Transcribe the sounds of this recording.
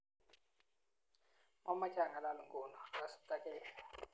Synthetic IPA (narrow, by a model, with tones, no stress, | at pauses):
ma˦ma˦t͡ʃʰʼa˨ŋa˨la˦lu˨ŋɡʼɔː˨na˨la˨su̥˦t̪a˦kʼɛːla˨